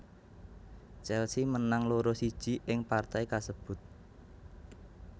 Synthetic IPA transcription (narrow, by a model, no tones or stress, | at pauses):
t͡ʃɛlsimənaŋloɾosid̥ʒ̥i̤ʔɪŋpart̪aikasəb̥ʊ̤t̪̚